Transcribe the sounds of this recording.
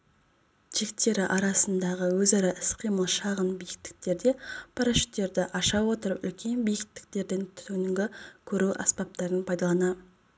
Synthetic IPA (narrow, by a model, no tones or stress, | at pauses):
ʒʰekt̪e̞ɾɪʔɑɾɑsənd̪ɑʁəwɵzɑɾɑʔɪsqʰijməlˠʃɑʁənbijɪk̚t̪ɪ̥k̚t̪e̞ɾd̪e̞pʰɑɾaʃy̥t̪ːe̞ɾd̪ɪʔɑʃɑwo̞t̪əɾəpʏ̰lkʲe̞nbijɪk̚t̪ɪ̥k̚t̪e̞ɾd̪e̞nt̪ʰʏ̥t̪ʰŋŋɡʲɪkʲʰɵɾuʔɑ̰spɑp̚t̪ɑɾənpʰɑjd̪ɑlˠɑnɑ